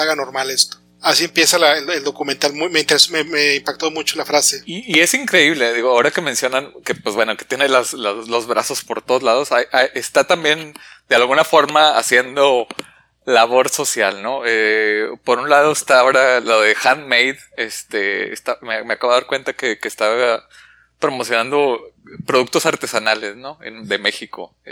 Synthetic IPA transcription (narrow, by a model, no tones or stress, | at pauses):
aɣanoɾmalest̪o̥ | asiempje̞salaeleld̪okument̪almujmeint̪eɾesomemeimpak̚t̪o̞mut͡ʃolafɾase̞iːe̞siŋkɾe̞iβ̞le̞ðiɣoao̞ɾake̞mensjo̞nanke̞pwezbwe̞no̞ke̞t̪je̞nelaslaslo̞zβɾʔa̰so̞spo̞ɾt̪oð̞ozlað̞o̞sajʔajʔest̪at̪ambje̞nd̪̥ealɣunafo̞ɾmaa̰sje̞nd̪o̞ | laβ̞o̞ɾso̞sjalnoepo̞ɾunlað̞o̞est̪ao̞ɾaloðe̞xanmejð | e̞st̪eḛst̪amemeakaβaɾkwe̞nt̪akekeːst̪aβa | pɾomo̞sjo̞nand̪o̞pɾoðukt̪o̞saɾt̪e̞sanale̞sno̞ḛnðe̞me̞xiko̞̰